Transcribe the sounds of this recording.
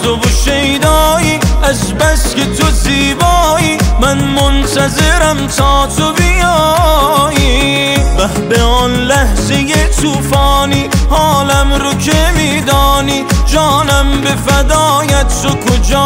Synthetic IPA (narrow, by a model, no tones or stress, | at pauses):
t̪ovoʃejd̪ɒːiːæzbæske̞t̪ʰoziːbɔːiːmænmont̪æzeɾæmt̪ʰɑːt̪ʰobijɒ | ji | væhbeɔːnlæhzejet̪ʰuːfɑːniːhɒːlæmɾocʰemiːd̪ɒːniːd͡ʒɒːnæmbe̞fæd̪ɒːjæt̪t̪okʰod͡ʒɔː